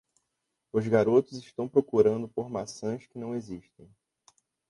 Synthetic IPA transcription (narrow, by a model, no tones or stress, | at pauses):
ʊzɡaɾot̪ʊzɪʃt̪ɐ̃w̃pɾokuɾɐ̃nd̪ʊpoɾmasɐ̃skɪnɐ̃w̃eziʃt̪ẽj̃